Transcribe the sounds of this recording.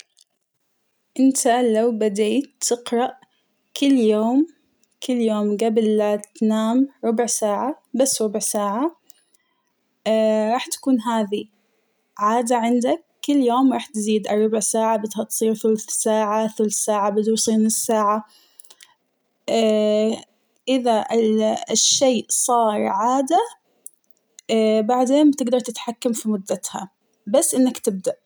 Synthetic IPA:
ʔɪnt̪alawbad̪eːt̪ʰːɪqɾˤɑʔ | kɪlːjoːm | kɪlːjoːmɡablt̪naːmɾˤʊbʕsaːʕa | basːɾˤʊbʕsaːʕa | ɾˤɑːħt̪ḁkuːnɦaːði | ʕaːd̪aʕɪnd̪akːʊlːjoːmɾˤɑːħt̪ziːd̪ʔɑrˤːɑbɪʕsaːʕabɪd̪hat̪sˤiːɾθʊlθsaːʕaθʊlθsaːʕabɪd̪usˤiːnɪsːaːʕa | ʔɪða | ʃːeːʔsˤɑːɾˤʕaːd̪a | baʕd̪eːnbt̪ɪɡd̪ɑɾˤt̪ɪt̪ħakːamfimʊd̪ːat̪ha̰ | basːʔɪnːakt̪ɪb̚d̪aʔ

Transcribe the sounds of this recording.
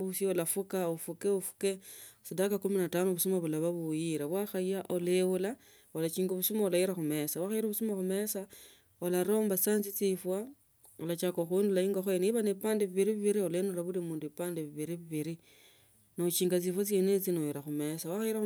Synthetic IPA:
usiolafukaufukeufu̥kesidakakuminatanoβusumaβulaβaβujiɾaβwaxaiaʔolewula | olat͡ʃiːŋɡoβusumaulajiɾaxume̞sawaxaiɾoβusumaxume̞sa | olaɾo̞ːmbasaːnt͡sit͡sifwa | olat͡ʃakoxwundulajiːŋɡaxoeniβanepaːndeβiβiɾiβiβiɾiolenuɾaβulimuːnduipaːndeβiβiɾiβiβiɾi | nout͡ʃiːŋɡat͡sifot͡senet͡sinojiɾaxumesawaxajiɾa

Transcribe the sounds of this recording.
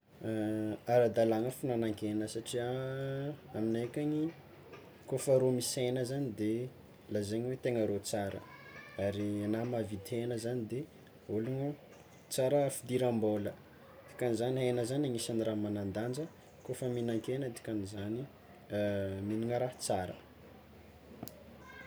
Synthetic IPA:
aɾad̪alaŋəfunanaŋkʲenəsaʈ͡ʂiaː | minakaɲi | kofəɾomisejnəzanid̪e | lazeɲiwet̪eŋəɾot͡saɾə̰aɾinamavid̪enəzanid̪e | uluŋu | t͡saɾəfid̪iɾambolə | t̪i̥kanizaniɦenəzanaŋisaniramanand̪and͡ʒə | kofəminaŋkenət̪i̥kanizani | miniŋəɾat͡saɾə̰

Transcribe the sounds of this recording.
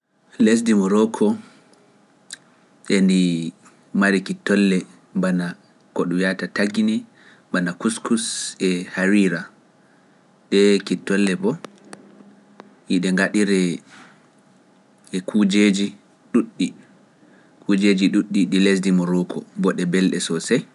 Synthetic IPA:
les̬dimɔɾɔkʰɔ | ɗɛndi | maɾikitːɔlːɛ | mbana | kɔɗujatataɡini | ɓanakuskusɛhaɾiɾa | ɗɛkitːɔlːɛbɔ | hiɗɛŋɡaɗiɾɛ | ɛkʰud͡ʒed͡ʒi | ɗuɗːi | kʰud͡ʒed͡ʒiɗuɗːiɗilesdimɔɾɔkʰɔbɔɗɛbɛlɗɛ̰sɔsɛj

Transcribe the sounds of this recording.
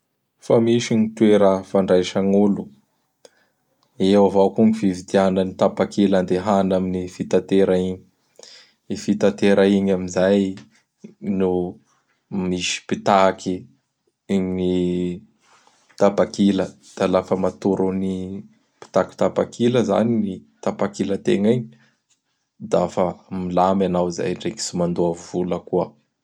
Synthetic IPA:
famiʃiɲit̪ueɾafaɳɖ͡ʐajʃaŋulu | ewavakuŋivivid̪ianənit̪apakiland̪eɦanaminifit̪at̪eɾaiɲi̥ | ifit̪at̪eɾʔaiɲaminzaj | nu | miʃi̥pit̪aki | ɲni | t̪apakilə | d̪̥alafəmat̪uɾuni | pi̥t̪aki̥t̪apakʰiləza̰ninit̪apakilət̪ḛŋiɲi | d̪afəmilamanawza̰jɳɖ͡ʐeki̥simand̪uavuləkuə

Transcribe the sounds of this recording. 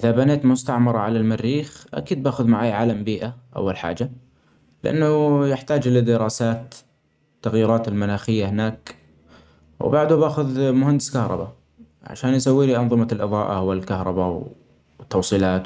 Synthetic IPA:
ʔɪðabaneːt̪mʊst̪aʕmɑɾˤɑʕalalmarːiːxʔa̰kiːd̪̚baːxʊðmaʕaːjʕaːlambiːʔaʔa̰wːalħa̰ːd͡ʒa | lɪʔa̰nːʊjɪħt̪aːd͡ʒlɪd̪ɪɾɑːsaːt̪ː | aɣjiːɾɑːt̪ɪlmʊnaːxɪjːahɪnaːk | w̰baʕd̪ʊbaːxʊðmʊhand̪ɪskɑhɾˤɑ̰ba̰ | ʕa̰ʃaːnjs̬awːiːliʔɑnðˤɨmalʔɨðˤɑ̰ːʔa̰hʊwːalkahɾˤɑbaw | t̪ːɑwsˤiːlɑːt̪

